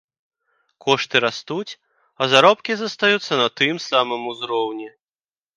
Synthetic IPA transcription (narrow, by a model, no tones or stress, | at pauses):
kɔʂt̪ɨɾast̪ut͡sʲ | ɐzaɾɔpkʲizɐst̪ajut̪sːɐnɐt̪ɨmsamɨmuzɾɔwnʲɛ